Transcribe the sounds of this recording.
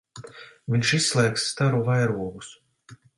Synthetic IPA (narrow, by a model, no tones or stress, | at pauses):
viɲʃisːlˠɛːksːt̪aɾuvajɾuɔɡus